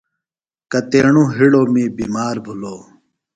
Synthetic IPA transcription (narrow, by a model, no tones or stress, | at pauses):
kɐt̪eːɳũːɦiɽoːmĩːbiːmaːɾbʱuloː